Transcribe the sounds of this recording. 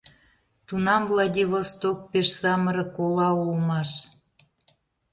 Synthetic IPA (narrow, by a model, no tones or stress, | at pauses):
t̪unɑmvlˠɑdʲiβost̪ok̚peʃsɑməɾɤ̆kolɑulmɑʃ